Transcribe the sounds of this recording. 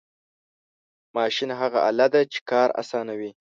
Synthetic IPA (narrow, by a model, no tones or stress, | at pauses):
mɑʃinɦaɣa̰ʔa̰lad̪at͡ʃe̥kɑɾa̰sɑnawi